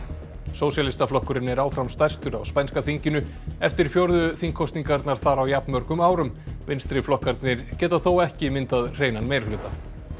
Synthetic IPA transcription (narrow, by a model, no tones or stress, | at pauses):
soːwsjalɪst̪aflɔhkʏɾɪnɛɾaːwfɾamst̪ajst̪ʏɾa̰wspajnskaθiɲcɪnʏ | ɛft̪ɪɾ̥fjowɾðʏθiŋkʰːɔst̪niŋkaɾt̪naɾ̥θaɾawjapnmœɾkʏmaːwɾʏmvɪnst̪ɾɪflɔhkaɾt̪nɪɾ̥cɛːt̪aθowɛhcɪmɪnt̪aðr̥eːjnanmejɾlʏːt̪a